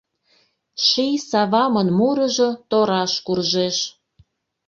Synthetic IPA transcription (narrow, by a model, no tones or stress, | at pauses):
ʃijsɑβɑmɤnmuɾɤ̆ʒot̪oɾɑʃkurʒeʃ